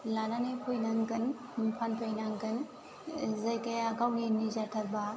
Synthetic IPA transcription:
lananepʰojnaŋɡɯn | mupʰanpʰojnaŋɡɯn | zɐjkɐjaɡawninizatʰɐɾba

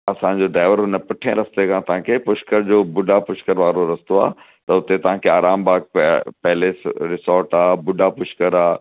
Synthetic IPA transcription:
ɐsãːd͡ʑoɖaːɪʋəɾɦʊnəpɐʈʰẽɾɐst̪ekʰãt̪ɐʋ̤ãːkʰepʊʃkəɾd͡ʑoːbʊɖapʊʃkəɾʋaːɾoɾɐst̪oa̰ː | t̪ɐʊt̪et̪ɐʋ̤ãkʰeaːɾaːmbaːk̚ppɛɦlesɾɪsɔːɾʈaːbʊɖapʊʃkəɾaː

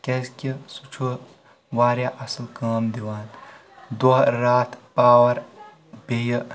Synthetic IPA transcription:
kʲɛːskʲisut͡ʃʰu | ʋaːɾjaːʔɐslkaːmd̪iʋaːnt̪ | d̪oɾaːt̪ʰpaːwɐɾ | beːjɐ

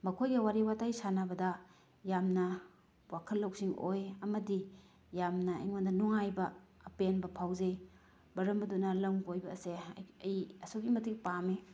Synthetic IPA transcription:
mɐkʰojɡewaɾiwatajsanabɐdɐ | jamnɐ | wakʰɐlːɐwsiŋojɐmɐdi | jamnɐḛjŋondɐnuŋajbɐː | penbɐpʰawzej | bɐɾɐmbɐdunɐlɐŋɡojbɐːseɐjɐsuɡimɐtik̚pami

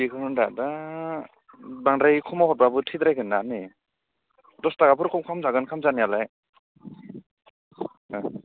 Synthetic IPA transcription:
ikʰɯŋɯndada | baŋdɾajkʰumahɔt̚babɯtʰid̪ɾajkʰɯnːani | dɔstaɡapʰɯɾkʰɔmkʰamzaɡɯnkʰamzanjalaj

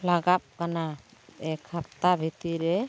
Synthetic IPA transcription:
laɡap̚kana | ɛkʰap̚t̪abʱit̪iɾɛ

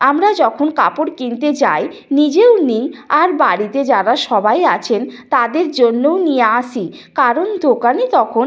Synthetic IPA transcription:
amɾad͡ʑɔkʰonkapoɽkint̪et͡ɕa̰j | nid͡ʑeoniaɾbaɽit̪ed͡ʑaɾaʃɔbajat͡ɕʰent̪ad̪eɾd͡ʑonːownijaaʃʰikaɾond̪okanit̪ɔkʰon

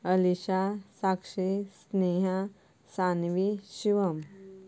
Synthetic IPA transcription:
ɐliʃasaːkʂisneːɦa | saːnʋiʃiʋɐm

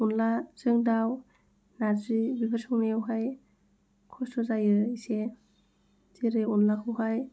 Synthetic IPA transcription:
unlaz̥ɯŋdaw | nazibibəɾsɔŋnewɦaj | kʰɔsɔzajɯse | z̥iɾɯunlakʰɯwɦaj

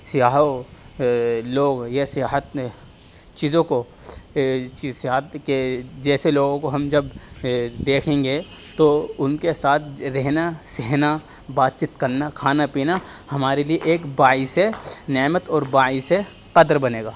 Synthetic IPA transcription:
sɪjaːɦo | loːɡjesɪjaːɦət̪ | t͡ʃiːzõko | t͡ʃsɪjaːɦət̪ked͡ʒɛːseloːɡõkoɦɐmd͡ʒɐb | d̪eːkʰẽːŋɡet̪oʊnkesaːt̪ʰɾɛɦnaseɦna | baːt̪̚t͡ʃit̪kɐɾnakʰaːnapiːnahɐmaːɾelieʔeːkbaːisenɪmət̪ɔːɾbaːise | qɐd̪əɾbɐneːɡaː

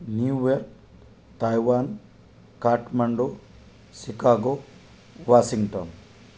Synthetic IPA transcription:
njuʋeɾʈ | t̪ajʋaːn | kaːʈmɐɳɖo | sikaːɡo | ʋaːsiŋɡʈon

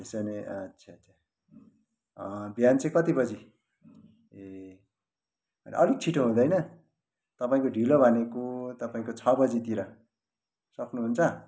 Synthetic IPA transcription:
esʌneʌt͡sʰaʌsʰḁ | ʌbʱjant͡sʌĩkʌt̪ibʌd͡zi | e | ʌ̰n̰ʔʌlik̚t͡sʰiʈʰoɦũd̪ʌjnʌ | t̪ʌpaĩkoɖʱilobʱʌnekot̪ʌpaĩkot͡sʰʌbʌd͡zit̪iɾʌ | sʌkʰnuɦunt͡sʰʌ

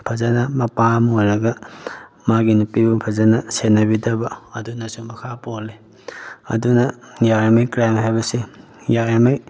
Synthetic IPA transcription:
pʰɐzanɐmɐpamojɾɐɡɐ | maɡinupibupʰɐzanɐsenɐbidɐbɐɐdunɐsumɐkʰapolːe | ɐ̰dunɐjaɾamajkɾajmɦajbɐse | jaɾamaj

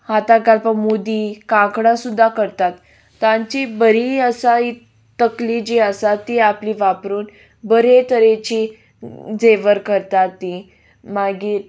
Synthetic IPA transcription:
hat̪aɡalpamud̪iːkãkɽãsud̪ʱːakəɾt̪at̪ː | ãɲt͡ɕibəɾiəsai | t̪əklid͡ʑiəsat̪ːiapliʋapɾuːn | bəɾet̪əɾet͡ɕi | d͡zeʋəɾkəɾt̪at̪ːi | maɡiː

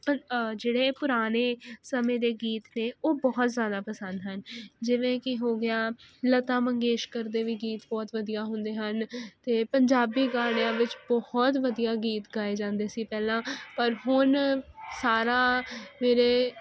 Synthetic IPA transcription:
d͡ʒeːɽeːpʊɾaːneːsəmẽːd̪eːɡiːt̪neːoːbɔːt̪zjaːd̪aːpəsənd̪ɦənd͡ʒɪʋẽːkɪɦoːɡɪaːlət̪ãːməŋɡeːʃkəɾd̪eːʋiːɡiːt̪bɔːt̪ʋəd̪ijaːɦʊ̃nd̪eːɦənt̪eːpəɲd͡ʒaːbiːɡaːɽ̃jãːʋɪt͡ʃbɔhɔt̪ʋəd̪ijaːɡiːt̪ɡaːeːd͡ʒãːnd̪eːsiːpɛːlãːpəɾɦʊnsaːɾaːmeːɾeː

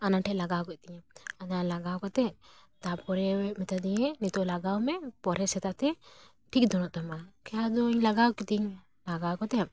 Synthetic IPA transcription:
anaʈʰɛʔlaɡawkɔc̚t̪iɲɛanalaɡawkɔt̪ɛt̪apɔɾɛmɛt̪ad̪ijɛnit̪ɔlaɡawmɛpɔɾɛsɛt̪at̪ɛ | ʈʰik̚d̪ɔnɔʔt̪ɔmakɛad̪ɔiɲlaɡawkit̪iɲ | laɡawkɔt̪ɛ

